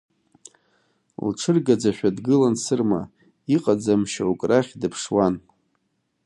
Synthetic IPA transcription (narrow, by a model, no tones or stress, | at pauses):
lʈ͡ʂʰɨrɡad͡zaʃʷᶣadɡɨlansɨrma̰ | iqʼad͡zamʃaukʼraχʲdɨpʰʂwan